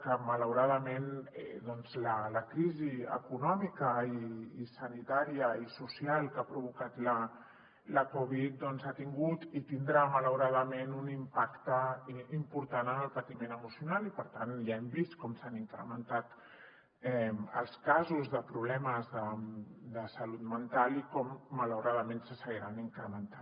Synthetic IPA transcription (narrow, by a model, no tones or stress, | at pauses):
kəmələwɾaðəmenɛ̰d̪ɔnzlələkɾiziə̰kunɔmikəiːsənit̪aɾiəisusialˠkapɾuβ̞ukat̪lə | ləkɔβ̞it̪̚d̪ɔnzat̪iŋɡut̪it̪ind̪ɾamələwɾaðəmenunimpakt̪əimpuɾt̪anənəlˠpət̪imenəmusjunalipəɾt̪anjaembiskɔmsaniŋkɾə̰mənt̪at̪ | ɛə̰lˠskazuzðəpɾuβlɛməzðəd̪əsəlut̪mənt̪alikɔmːələwɾaðəmensəsəɣiɾaniŋkɾəmənt̪a